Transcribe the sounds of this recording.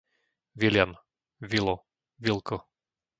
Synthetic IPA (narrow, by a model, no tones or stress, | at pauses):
ʋilɪam | ʋilɔ | ʋilkɔ